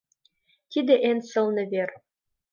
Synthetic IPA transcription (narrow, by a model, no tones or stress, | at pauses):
t̪id̪ɘ̆ʔensɤ̆lnɘ̆βer